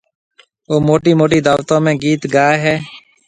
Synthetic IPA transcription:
oːmoːʈiːmoːʈiːd̪aːʋt̪õːmẽːɡiːt̪ɡaːeɦɛː

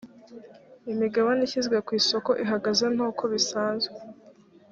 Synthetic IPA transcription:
imiɡaβaniçizɡwe̞kwiːso̞ko̞ʔiɦaɡaze̞n̥hoːkʰo̞βisaːnzɡe

